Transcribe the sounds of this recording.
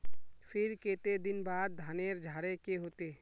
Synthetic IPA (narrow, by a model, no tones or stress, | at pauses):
fʰɪɾkeːt̪ed̪ɪnbaːd̪̚ːʱaːneːɾd͡ʒʱaːɽekeɦoːt̪eː